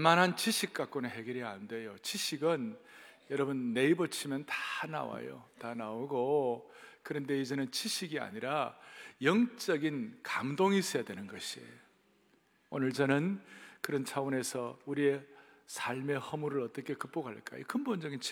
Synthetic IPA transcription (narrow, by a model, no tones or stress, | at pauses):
manɦant͡ɕiɕʰik̚k͈ak͈oneɦe̞ɡjʌɾianɯnde̞jot͡ɕiɕʰiɡɯnjʌɾʌbɯnːe̞ibʌt͡ɕʰimjʌntana̰wa̰jo̰tanauɡo | kɯɾʌnde̞id͡ʑenɯnt͡ɕiɕʰiɡia̰ɲiɾajʌŋt͡ɕ͈ʌɡinkamdoŋis͈ʌjadwe̞nɯnɡʌɕʰiḛjo | onɯɭt͡ɕʌnɯnkɯɾʌnt͡ɕʰawone̞sʰʌuɾie̞ | sʰaɭme̞hʌmuɾɯɭʌt͈ʌkʰe̞kɯp͈oɡɦaɭk͈a̰jo̰kɯmbond͡ʑʌɡin